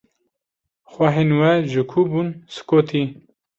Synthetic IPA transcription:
xwɐɦenwɛʒɨkʰubunsɨ̥koːt̪ʰi

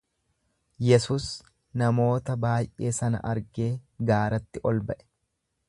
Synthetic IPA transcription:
jɛsuːs | nɐmo̞ːt̪ɐbaːjʔe̞ːsɐnɐ̰ʔɐɾɡe̞ːɡaːɾɐt̪ːɪʔɔlbɐʔɛ̥

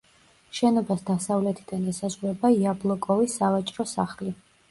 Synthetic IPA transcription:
ʃɛnɔbasd̪asavlɛt̪ʰid̪anɛsazʁuɾɛbaiablˠɔkʼɔvisːavat͡ʃʼɾɔsaχli

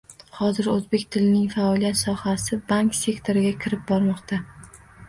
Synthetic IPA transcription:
hɒzɪɾɵzbe̞kʲt̪ʰɪlɪnɪŋfaɒlijat̪sɒhasɪbaŋkse̞kt̪ʰo̞ɾɪɡʲakʲʰɪɾɪp̚bɒɾmɒqt̪ʰa

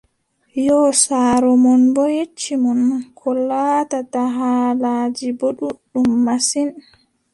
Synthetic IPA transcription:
jɔsaːɾɔmɔnbɔjet͡ʃːimɔnkʰɔlːaːtataɦalaːd͡ʒiboɗuɗumːasin

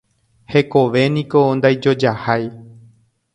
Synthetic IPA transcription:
he̞ko̞ʋe̞nĩkond̪ajd͡ʒo̞d͡ʒahaj

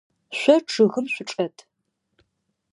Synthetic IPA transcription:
ɕʷɐʈ͡ʂʰɨɣɨmɕʷʊʈ͡ʂʼɐtʰ

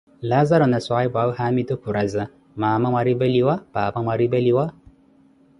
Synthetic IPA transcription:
lazaɾɔnaswaibʷawuhamitokuɾaza | maːmamʷaɾibeliwababamaɾibeliwa

